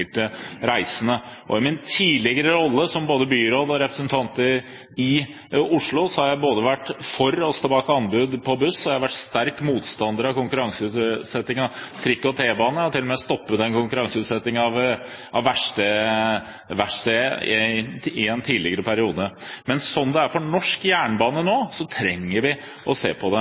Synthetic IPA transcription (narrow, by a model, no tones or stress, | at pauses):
əʈəɾæɪsənəʔɔ̰ɪmɪnt̪ʰiːlɪɡəɾəɾɔlːəsɔmboːd̪əbyːɾoːd̪ɔɾɛpɾəsənt̪ʰɑnt̪əɾ | ɪ | ʊʂɭʊsɔhɑɾjæɪboːd̪əʋæʈːfɔɾɔst̪oːbɑːkɑnbʉːd̪pʰɔbʉsːɔhɑæɪhɑʋæʈst̪æɾkmuːt̪st̪ɑnd̪əɾɑkʊŋkʉɾɑŋsəʉːsɛt̪ːɪŋɑt̪ʰɾɪkːɔt̪ʰeːbɑːnəɔt̪ʰɪlːɔmɛɔst̪ɔpːət̪ɛnkʰʊŋkʉɾɑŋsəʉːt̪sɛt̪ːɪŋɑʋ | ʔɑʋʋæʂʈə | ʋæʂʈəɪɪɛnt̪ʰiːlɪɡəɾəpʰæɾɪuːd̪əmɛnsɔnd̪ɛæɾfɔɳɔʂkjæːɳbɑːnənoːsɔt̪ʰɾɛŋːəɾʋɪ | ʔɔsḛːpʰɔd̪ɛ